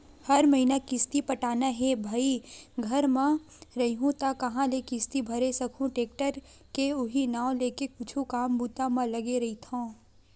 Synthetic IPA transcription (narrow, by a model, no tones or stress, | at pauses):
hɐɾmɐɦiːnakɪst̪ipɐʈaːnaɦɛbʱaːiɡʱɐɾmã | ɾɐɦiɦũt̪akɐɦãlekɪst̪ibʱɐɾesɐkʰũʈeːk̚ʈəɾ | keʊɦinãːõleːkekʊt͡ʃʰũkaːmbuːt̪amãlɐɡeɾɐit̪ʰõː